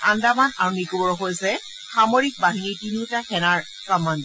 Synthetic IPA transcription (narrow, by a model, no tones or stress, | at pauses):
andamanaɹunikobɔɹɔxojsɛ | xamoɹik̚baɦinitinutakʰɛnaɹ | pɹamand